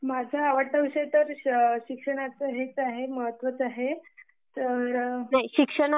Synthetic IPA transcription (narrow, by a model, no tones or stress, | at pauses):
mad͡ʑʱaaʋəʈʰəʋɕet̪əɾɕikʂəɽ̃at͡səɦet͡saɦeməɦət̪ʋət͡saɦe | t̪əɾnaɦiɕikʂəɽa